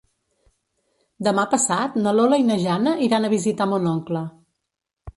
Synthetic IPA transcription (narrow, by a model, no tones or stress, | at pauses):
d̪əmapəsat̪nəloləinəʒanəʔiɾanəβizit̪amonɔŋklə